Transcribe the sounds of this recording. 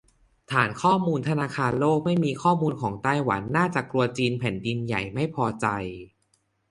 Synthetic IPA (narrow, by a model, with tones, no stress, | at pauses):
t̪ʰaː˩˦nkʰɔː˥˩muː˧nt̪ʰa˧naː˧kʰaː˧nloː˥˩k̚ma˥˩jmiː˧kʰɔː˥˩muː˧nkʰɔː˩˦ŋt̪aː˥˩jwa̰˩˦nːaː˥˩t͡ɕa˨˩klu˧ɐt͡ɕiː˧npʰɛ˩˦ndi˧nja̰˨˩jma˥˩jpʰɔː˧t͡ɕa˧j